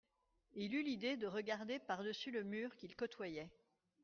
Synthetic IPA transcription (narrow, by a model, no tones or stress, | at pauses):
ilylid̪ed̪əʁəɡaʁd̪epaʁd̪əsyləmyːʁkʲilkɔt̪wajɛ